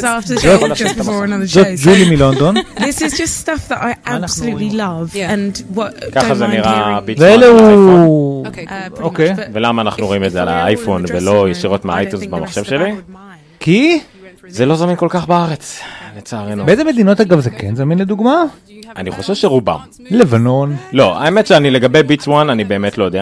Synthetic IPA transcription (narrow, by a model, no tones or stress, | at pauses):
zaftəzotnzot̪d͡ʒulimilond̪o̞nðɪszd͡ʒʌsstafðəɾaɪaanaχsnululilʌvə̃nwɔtkaχazeniʁabiveeleu | okejvelamaːnaχnuʁoimezeala̰ajfonvelo̞jeʃiʁo̞t̪meaajt̪unzbamaχʃe̞vʃeli | ki | zelo̞zaminko̞lkaχbaaʁet͡slet͡saːʁenubeezeme̞d̪ino̞taɡavzekenzaminled̪uɡma | aniχo̞ʃevʃeʁuba̰m | le̞vano̞nlo̞a̰emetʃeanile̞ɡabejbit͡swananibeːmetlo̞jodea